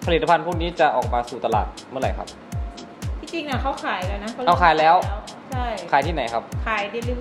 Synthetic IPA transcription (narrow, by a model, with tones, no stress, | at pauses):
pʰa˧li˨˩t̪ːa˧pʰa˧npʰuː˥˩k̚niː˦˥t͡ɕa˨˩ʔɔː˨˩k̚maː˧suː˨˩t̪a˧la̰ː˨˩t̪̚mɯ˥˩˨ɾa˨˩jkʰa˦˥p̚ | t̪ʰiː˧˥˩t͡ɕi˧ŋʔa˧˩kʰa˦˥˩wkʰaː˨˩˦jlɛː˦˥wna˦˥kʰa˥˩ʔa˧˩kʰaː˨˩˦jlɛː˦˥wt͡ɕʰa˥˩jʰaː˨˦jt̪ʰiː˥˩na˨˩˦jkʰa˦˥p̚kʰaː˨˩˦jdi˧lɯ˧˦